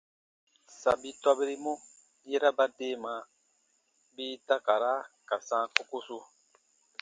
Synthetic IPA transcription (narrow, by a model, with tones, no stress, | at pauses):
sa˨bi˦tɔ˦be˦ɾi˦mɔ̃˦ | je˦ɾa˦ba˦deː˦˨mã˨˦ | biː˦ta˦ka˨ɾa˦ka˨sãː˦ko˦ko˦so˦